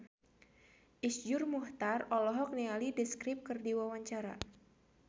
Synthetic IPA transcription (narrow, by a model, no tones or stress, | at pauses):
ʔisd͡ʒʊrmuht̪arɔlɔɦɔk̚nialidɛskɾɪp̚kɨrdiwawaɲt͡ʃaɾa̰